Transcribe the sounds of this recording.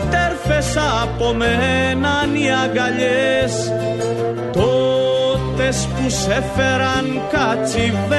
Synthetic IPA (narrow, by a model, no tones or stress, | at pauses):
t̪eɾfesɐpomenɐniɐɡɐʎes | t̪o | t̪espusefeɾɐŋ | kat͡siv